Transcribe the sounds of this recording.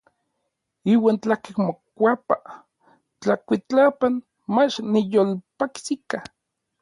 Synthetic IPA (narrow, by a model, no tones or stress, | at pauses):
iwaːnt͡ɬakekmokʷapa | t͡ɬakʷit͡ɬapan | mat͡ʃnijolpaksika